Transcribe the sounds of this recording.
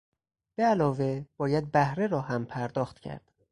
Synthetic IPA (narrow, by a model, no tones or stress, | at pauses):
b̥eælɒːveb̥ɒːjæd̪̚bæhɾeɾɒːɦæmpʰæɾd̪ɒːxt̪cʰæ̰ɾd̪̥